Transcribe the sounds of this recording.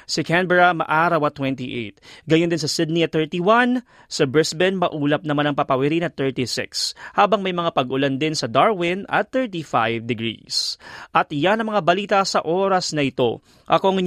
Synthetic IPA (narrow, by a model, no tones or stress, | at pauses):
sɪkɛnbɛɹamɐ̰ʔaːɾɐwɐt̪wɛnt̪iʔḛjt̪̚ɡɐjond̪ɪns̬ɐsɪd̪̚niɐt̪ɛɹt̪iwan | sɐbɹɛsbɛnmɐʔuːlɐp̚nɐmanɐŋpɐpɐwɪɾinɐt̪ɛɹt̪isɪ̰kshaːbɐŋmɐjmɐŋapɐɡʔʊland̪ɪnsɐd̪aɹwɪnɐ̰t̪θɛɹt̪ifa̰jvd̪ɪɡɹḭːsʔɐt̪janɐŋmɐŋabɐliːt̪ɐsɐʔo̞ːɾɐsnɐʔɪt̪o̞̰ | ʔɐkoɐŋɪ